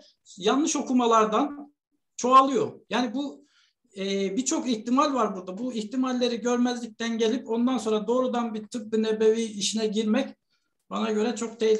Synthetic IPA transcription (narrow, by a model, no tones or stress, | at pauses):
janlɯʃo̞kumalˠaɾd̪an | t͡ʃʰo̞alˠɯjo̞jaːnibu | ɛbit͡ʃʰo̞kiçt̪imalʲvaɾbuɾd̪abuiçt̪imalʲːe̞ɾiɟø̞ɾmæzlʲic̚t̪ʰænɟe̞lʲipo̞nd̪anso̞nɾad̪o̞ːɾud̪anbit̪ʰɯp̚b̪ɯnebe̞viːiʃinɛɟiɾmɛc | b̥anaɟø̞ɾɛt͡ʃʰo̞k̚t̪ʰe